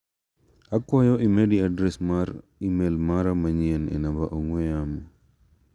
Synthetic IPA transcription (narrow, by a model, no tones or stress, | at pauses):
akwajɔʔimediadɾɛsmaɾ | imelmaɾamaɲiɛnɛ̰nabaʔɔŋwɛam